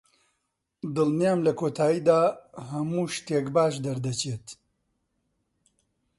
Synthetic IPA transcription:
d̪ɨlnijaːmlɐkʰoːt̪ʰaːjiːd̪aːɦɐmuːʃt̪eːkbaːʃ̬d̪ɐɾd̪ɐt͡ʃeːt̪

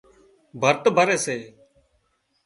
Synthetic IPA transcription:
bʱəɾt̪bʱəɾeːseː

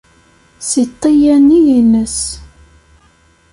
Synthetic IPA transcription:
sit̪ˤːijænːijinəs

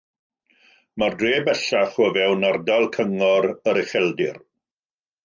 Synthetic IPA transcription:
mardreːbɛɬaχwəvɛwnardalˠkʰəŋɔɾəɾɪχɛlˠdɪ̰r

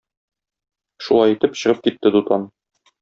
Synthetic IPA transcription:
ʃulˠɑjit̪ɘpɕɤ̆ʁɤp̚kit̪ːɘd̪ut̪ɑn

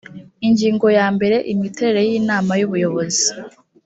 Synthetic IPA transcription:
iɲɟiːŋɡo̞jaːmbe̞ɾe̞ʔimiteɾeɾejiːnaːmajuβujo̞βo̞zi

